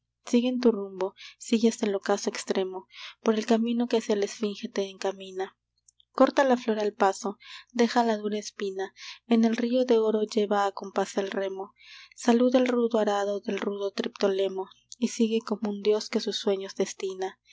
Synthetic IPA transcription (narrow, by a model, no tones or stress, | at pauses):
siɣeːnt̪urumbo̞siɣesd̪elo̞kasoekst̪ɾe̞mo̞po̞ɾe̞lkamĩno̞ke̞sele̞sfiŋxet̪eːŋkamĩna | ko̞ɾt̪alaflo̞ɾalpaso̞d̪e̞xalaðuɾaespinaene̞lrio̞ðe̞o̞ɾo̞ʝe̞βaːko̞mpasalre̞mo̞ | saluðelruðoaɾaðo̞ðe̞lruðo̞t̪ɾipt̪o̞le̞mo̞ | isiɣe̞ko̞mound̪jo̞ske̞susːwe̞ɲo̞zðe̞st̪ina